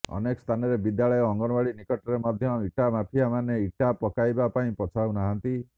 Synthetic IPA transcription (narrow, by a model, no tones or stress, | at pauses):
ɔ̰nekɔst̪ʰanɔɾebid̪jaɭɔjɔɔŋɡɔɾbaɭinikɔʈɔɾemɔd̪ʱjɔiʈamapʰijamaneiʈapɔkajbapaĩpɔt͡ʃʰawnaɦant̪i